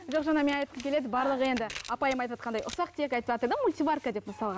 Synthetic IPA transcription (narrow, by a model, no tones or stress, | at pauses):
ʒo̞qʒɑnɑme̞nɑjt̪̚qəmkʲele̞d̪ɪbɑɾlˠəʁəe̞nd̪ɪɑpɑjəmɑjt̪ɑt̪̚qɑnd̪ɑjʔʊsɑqt̪ʰe̞kʲɑjt̪əɑt̪əɾd̪ɪmulʲt̪ʲivarkad̪e̞pmʊsɑlˠʁɑn